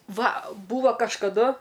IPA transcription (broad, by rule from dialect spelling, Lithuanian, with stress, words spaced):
ˈʋɐ ˈbuːʋɐ kɐʃkɐˈdʊ